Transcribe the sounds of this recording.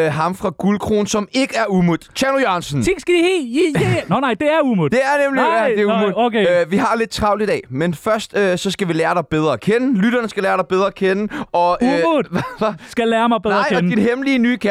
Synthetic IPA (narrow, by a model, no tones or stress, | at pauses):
ɦɑ̈mfʁɑ̈ɡ̥ulkʰʁo̝ːnsɒ̽me̝ɡ̥əæɐumuð̥ˠt͡ɕʰænojɑnsn̩t͡sʰeŋsɡ̥æd̥iheinonɑ̈ɪd̥e̝æɐumud̥e̝æɐnemlid̥eumuokʰeʋiɦɑ̈le̝d̥̚t͡sʰʁɑ̈ʊliid̥ɛ̰menfɶɐsd̥øsɒ̽sɡ̥æʋilæːɐɾ̥ɑ̈ɪb̥eð̞ˠʁɐkʰenəlyd̥ɐnəsɡ̥ælæːɐɾ̥ɑ̈ɪb̥eð̞ˠʁɐkʰenəɒ̽muʋʋsɡ̥ælɛːɐmɑ̈ɪb̥enˠɐɪ̰ninɦeməliːənyːkʰæ